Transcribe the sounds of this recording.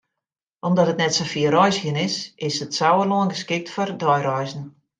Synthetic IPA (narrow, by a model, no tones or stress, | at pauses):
ʔɔmdɔtətnɛtsofiərɔjsxənɪsɪsətsawəlɔənɡəskɪk̚tfɔrdɔjrɔjzən̩